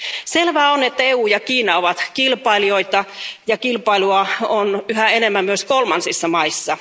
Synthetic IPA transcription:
selʋæːonet̪ːæeuːjɑkiːnɑoʋɑt̪kilpɑilioit̪ɑjɑkilpɑiluɑonyhæenemːæmmyøskolmɑnsisːɑmɑisːɑ

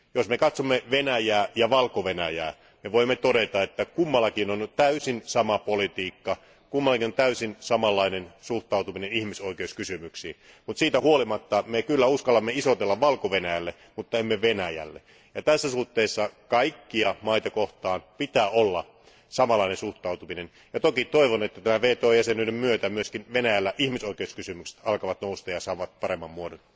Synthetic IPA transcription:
josmekɑt̪somːeʋenæjæːjɑʋɑlkoʋenæjæ̰ː | meʋoimːet̪odet̪ɑet̪ːækumːɑlːˑɑkinont̪æysinsɑmɑpolit̪iːkːɑ | kumːɑlːɑkinont̪æysinsɑmɑlːɑinensuht̪ɑˑut̪uminenihmisoikeuskysymyksḭː | mut̪siːt̪æhuolimɑt̪ːɑmekylːæuskɑlːɑmːeisot̪elːɑʋʋɑlkoʋenæjælːe | mut̪ːɑemːeʋenæjæ̰lːe | jɑt̪æsːæsuht̪ːeːsːɑkɑikːiɑmɑit̪ɑkoht̪ɑːnpit̪æːolːɑ | sɑmɑlːˑɑinensuht̪ɑut̪uminen | jɑt̪okit̪oiʋonet̪ːæt̪æmæʋeːt̪oːjæsenylemmyøt̪æmyøskinʋenæjælːæʔihmisoikeuskysymykse̥t̪ɑlkɑʋɑt̪noust̪ɑjɑsɑːʋɑt̪̚pɑɾemːɑmmuodon

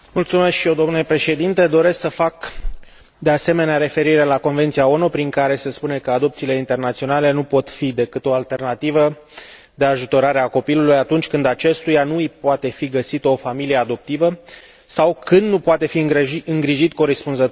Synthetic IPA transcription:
mult̪sume̞skʃijewd̪o̞mnulepɾe̞ʃe̞d̪int̪e̞d̪o̞ɾe̞sksəfak | d̪e̞ase̞me̞neaɾe̞fe̞ɾiɾe̞lako̞nve̞nt̪sijao̞nupɾiŋkaɾe̞se̞spune̞kəad̪o̞pt̪siːle̞int̪e̞rnat̪sio̞nale̞nupo̞t̪fid̪e̞kɨt̪o̞alt̪e̞rnat̪ivə | d̪e̞aʒut̪o̞ɾaɾe̞ako̞pilulujat̪unt͡ʃʲkɨnd̪at͡ʃe̞st̪ujanuɨjpoat̪e̞fiɡəsit̪o̞familijead̪o̞p̚t̪ivə | sawkʰɨnd̪nupoat̪e̞fiɡiɨŋɡɾiʒit̪ko̞ɾespunzət̪

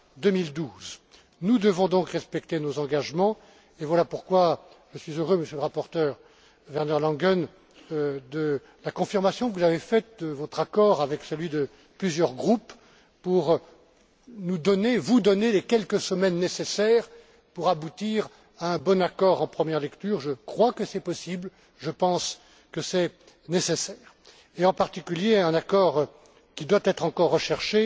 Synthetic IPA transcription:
d̪əmild̪uz | nud̪əvɔ̃d̪ɔ̃kʁɛspɛkt̪enozɑ̃ɡaʒmɑ̃ | evwalapuʁkwa | ʒ̥əsɥizøʁøməsjøləʁapɔʁt̪œːʁ | vɛʁnaʁlɑ̃ɡœn | d̪ə | lakɔ̃fiʁmasjɔ̃kəvuzavefɛt̪̚d̪əvɔt̪χakɔʁavɛksəlɥid̪ə | plyzjœʁɡʁupː | uʁ | nud̪ɔnevud̪ɔnelekʲɛlkəsəmɛnːesesɛʁ | puʁabut̪iʁ | aɛ̃bɔnakɔʁɑ̃pχəmjɛʁlɛkt̪yːʁʒəkχwakəsɛpɔsibl | ʒəpɑ̃s | kəsɛ | nesesɛːʁ | eɑ̃paʁt̪ikʲyljeɛ̃nakɔʁ | kʲid̪wat̪ɛt̪χɑ̃kɔʁːəʃɛʁʃe

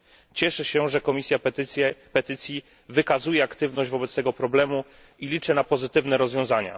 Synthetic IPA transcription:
t͡ɕɛʂɛɕɛʐɛkɔmʲisʲjapɛt̪ɘt̪sʲji | vɘkazujɛakt̪ɘvnɔʑd͡ʑvɔbɛt̪st̪ɛɡɔpɾɔblɛmu | ilʲit͡ʂɛnapɔzɘt̪ɘvnɛɾɔzvʲjɔ̃w̃zaɲa̰

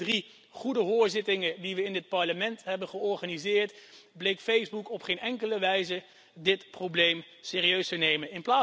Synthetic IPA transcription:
ri | χudəɦʊːɹzɪtɪŋədiʋəɪndɪt̚pɑɹləmɛntɦɛbənχəɔɹχaːnizɪːɹtblejkfejzbukɔpχejnɛŋkələʋɛjzə | dɪtprowblejm | sɪːriøɥstənejmənɪnplaː

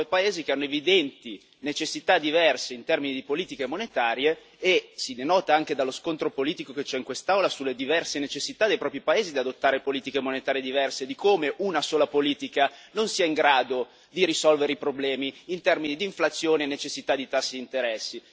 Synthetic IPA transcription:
jpaeːzikeanːoevid̪ɛnt̪i | net͡ʃesːit̪ad̪ivɛrseint̪ɛrminid̪ipoliːt̪ikemonet̪aːɾjeː | sinenɔːt̪aaŋked̪alːoskont̪ɾopoliːt̪ikoket͡ʃɛiŋkwest̪awlasulːed̪ivɛrsenet͡ʃesːit̪ad̪ejpɾɔːpɾipaeːzid̪iad̪ot̪ːaːɾepoliːt̪ikemonet̪aːɾjed̪ivɛrsed̪ikʰomeʔunasoːlapoliːt̪ikanonsiːaiŋɡɾaːd̪o | d̪iɾisɔlveɾeipɾoblɛːmiːnt̪ɛrminid̪iːɱflat̪sːjoːneːnːet͡ʃesːit̪ad̪it̪asːid̪int̪eɾɛsːi

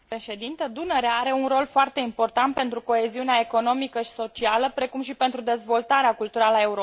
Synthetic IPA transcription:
pɾeʃe̞d̪int̪əd̪unəɾeaaɾe̞unro̞lfoart̪e̞impo̞rt̪ant̪̚pe̞nt̪ɾuko̞e̞ziuneae̞ko̞no̞mikəʃi̥so̞t͡ʃialəpɾe̞kumʃipe̞nt̪ɾud̪e̞zvo̞lt̪aɾeakult̪uɾalae̞uɾo

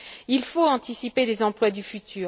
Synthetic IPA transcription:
ilfoɑ̃t̪isipelezɑ̃plwad̪yfyt̪ʰyːʁ

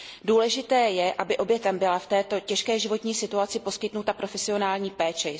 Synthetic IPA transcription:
duːlɛʒɪt̪ɛːjɛʔabɪʔo̞bjɛt̪ɛmbɪlaft̪ɛːt̪o̞cɛʃkɛːʒɪvo̞t̪ɲiːsɪt̪uat͡sɪpo̞skɪt̪nut̪apɾo̞fɛsɪo̞naːlɲiːpɛːt͡ʃɛ

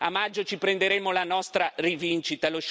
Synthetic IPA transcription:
amad͡ʒːot͡ʃipɾend̪eɾeːmolanɔst̪ɾarivint͡ʃit̪aloʃ

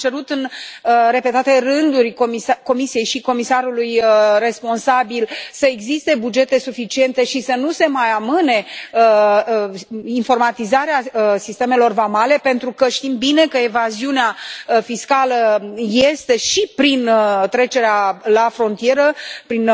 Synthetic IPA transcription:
t͡ʃe̞ɾut̪ɨnəre̞pe̞t̪at̪e̞rɨnd̪urʲomisko̞misije̞jʃiko̞misaɾulujre̞spo̞nsabilsəe̞ɡzist̪e̞bud͡ʒe̞t̪e̞sufit͡ʃie̞nt̪e̞ʃisənuse̞majamɨne̞ə | info̞rmat̪izaɾeaəsist̪e̞me̞lo̞rvamale̞pe̞nt̪ɾukəʃt̪imbine̞kəevaziuneafiskaləje̞st̪e̞ʃipɾint̪ɾe̞t͡ʃe̞ɾealafɾo̞nt̪ije̞ɾəpɾin

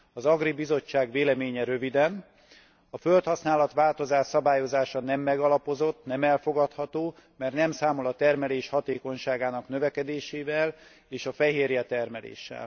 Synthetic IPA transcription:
ɒzɒɡribizo̞t͡ʃːaːɡʋeːlɛmeːɲɛɾøvid̪ɛn | ɒfølt̪hɒsnaːlɒt̪ʋaːlt̪o̞zaːʃsɒbaːjo̞zaːʃɒnɛmːɛɡɒlɒpo̞zo̞t̪nɛmɛlfo̞ɡɒt̪hɒt̪oː | mɛrt̪nɛmsaːmo̞lɒt̪ɛrmɛleːʃhɒt̪eːko̞ɲʃaːɡaːnɒknøvɛkɛd̪eːʃeːvɛl | eːʃɒfɛɦeːrjɛt̪ɛrmɛlḛːʃːɛ̰l

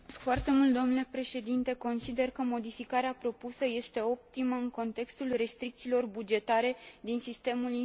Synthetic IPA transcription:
skfoart̪e̞mult̪d̪o̞mnule̞pɾe̞ʃe̞d̪int̪e̞ko̞nsid̪e̞rkəmo̞d̪ifikaɾeapɾo̞pusəje̞st̪e̞o̞p̚t̪iməɨŋko̞nt̪e̞kst̪ulre̞st̪ɾik̚t̪siːlo̞rbud͡ʒe̞t̪aɾe̞d̪insist̪e̞muli

